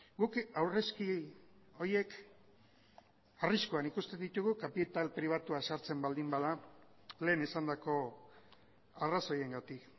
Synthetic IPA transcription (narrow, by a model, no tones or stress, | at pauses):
ɡukawre̞skio̞ɾje̞k | ariskoanikust̪e̞nd̪it̪uɣukapit̪alpɾiβ̞at̪uasaɾt͡se̞mbald̪imbaða | le̞ːnisand̪ako̞ | araso̞je̞ŋɡat̪ik